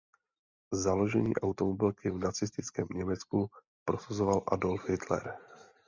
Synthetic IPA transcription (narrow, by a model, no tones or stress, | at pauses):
zalo̞ʒɛɲḭːʔawt̪omobɪlkɪvnat͡sɪst̪ɪt͡skɛːmɲɛmɛt͡sku | pɾosazovalʔa̰dolfhɪt̪lɛ̰ɾ